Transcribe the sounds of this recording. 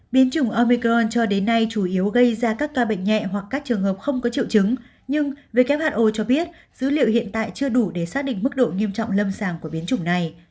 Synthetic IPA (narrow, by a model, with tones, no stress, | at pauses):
ɓi˨˦ənt͡ɕʊ˧˩ŋ͡mʔɔ˧mi˧kɾɔ˧nt͡ɕɔ˧ɗe˨˦nːa˧jt͡ɕu˧˩ʔi˨˦əwɣə˧jzaː˧kaː˦˥kːaː˧ɓə̰˧˨ŋ̟ɲɛ̰˧˨ɦwa˨˩kːaː˦˥k̚t͡ɕɨ˨˩əŋɦəː˨˩p̚xə˧wŋ͡mkɔ˨˦t͡ɕḭ˧˨əwt͡ɕɨ˨˦ŋ | ɲɨ˧ŋve˨˩kp̚haː˨˧t̚ʔo˧˩t͡ɕɔ˧ɓi˦˥ət̚ | zɨː˨˦lḭ˧˨əwhḭ˧˨ənt̪a̰ː˧˨jt͡ɕɨ˧əɗu˧˩ɗe˧˩saː˦˥ɗḭ̈˧˨ŋ̟mɨ˦˥k̚ɗo̰˧˨ŋi˧əmt͡ɕɔ̰˧˨wŋ͡mlə˧msaː˨˩ŋku˧˩əɓi˨˦ənt͡ɕʊ˧˩ŋ͡mna˨˩j